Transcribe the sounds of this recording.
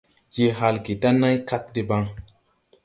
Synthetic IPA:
je˨ɦa˧lki˨ta˦na˦jka˦k̚di˨ba˦ŋ

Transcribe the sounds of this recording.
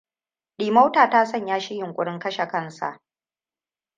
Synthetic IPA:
ɗiː˨ma˦wtaː˨taː˦sɐ˦ɲjaː˦ʃɪ˦jɪ˨ŋkʷʼʊ˦ɽɪ˦ŋkɐ˦ʃe˨kɐ˦nsa̰˨ʔ

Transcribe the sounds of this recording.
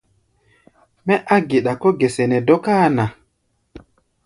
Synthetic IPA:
mɛ˦ʔa˦ɡe˨ɗa˨kɔ˦ɡe˨sɛ˨nɛ˨dɔ˦ka˦˨na˨

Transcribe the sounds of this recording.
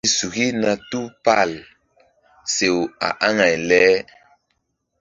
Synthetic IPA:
su˨ɣi˦na˨tu˦pa˦˨l | se˨wa̰˨ʔa˦ŋa˨jlɛ˦

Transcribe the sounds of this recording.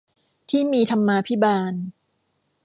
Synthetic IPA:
t̪ʰiː˥˩miː˧t̪ʰa˧mːaː˧pʰi˦˥baː˧n

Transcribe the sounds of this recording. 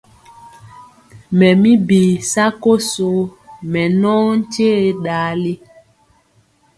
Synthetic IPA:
mɛ˨mi˦biː˨sa˦ko˦so˨˦mɛ˨nɔ˦n̩˦t͡ʃe˦ɗaː˨˦li˦

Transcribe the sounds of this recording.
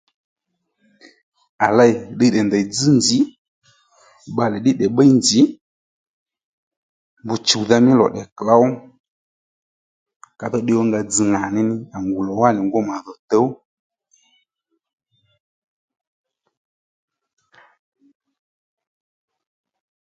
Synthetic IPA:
a˨la˦i˨ɗi˦˨ɗɛ˨nda˨d͡zɨ˦nd͡ʒi˨˦ | ɓa˧lɛ˨ɗɪ˦ɗɛ˨ɓə˦i˦nd͡ʒi˨˦ | mbu˨t͡ʃu˨ða˧mɪ˦lɔ̰˨ɗɛ˨kla˦wɔ˦ | ka˨ðɔ˦ɗɪ˧˦wɔ˦ŋɡa˧d͡zɨ˧ŋa˨nɪ˦nɪ˦a˨ŋɡu˨lɔ˨wa˦nɪ˨ŋɡo˦ma˨ðɔ˨tə˨˦w

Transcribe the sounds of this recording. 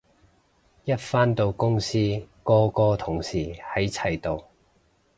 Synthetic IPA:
jɐ˥t̚faː˥nt̪o˨˧wkʊ˥ŋsiː˥kɔː˧kɔː˧t̪ʰʊ˨˩ŋsiː˨˩hɐ˨˥jt͡sʰɐ˨˩jt̪o˨˧w

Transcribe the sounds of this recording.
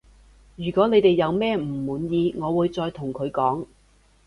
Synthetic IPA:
jyː˨˩kɔː˨˥ne˨˧jt̪e˨jːɐ˨˧wmɛː˥m̩˨˩muː˨˥njiː˧ŋɔː˨˧wuː˨˧jt͡sɔː˧jt̪ʰʊ˨˩ŋkʰɵ˨˧ɥkɔː˨˥ŋ

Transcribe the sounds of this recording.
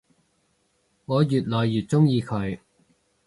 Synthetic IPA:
ŋɔː˨˧jyː˨t̚lɔː˨jːyː˨t̚t͡sʊ˥ŋjiː˧kʰɵ˨˧˥ɥ

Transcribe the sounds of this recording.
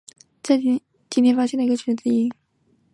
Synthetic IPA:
t͡sa˥˩˥ | t͡ɕi˨˥t̪ʰɛ˧˥nfa˥ɕjɛ˥˩nlə˩i˧˥ə˧t͡ɕʰy˨˩˥t͡si˥˩i˥

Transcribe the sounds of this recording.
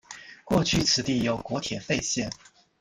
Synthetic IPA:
kwɔ˥˧t͡ɕʰy˥˩t͡sʰɹ̩˨˩t̪i˥˩jo˧˩ʊkwɔ˧˥t̪ʰjɛ˨˩fe˥˧ɪɕjɛ˥˩n

